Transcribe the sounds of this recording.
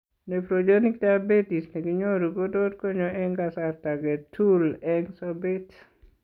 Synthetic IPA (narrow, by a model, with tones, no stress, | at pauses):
ne˨pɾod͡ʒoni˦ktabe˦ti˨sne˨ɡi˦ɲoɾu˨ko˦dot̚ko˦ɲoʔɛ˦ŋɡasarta˨ɡɛ˨tʰulɛŋsobet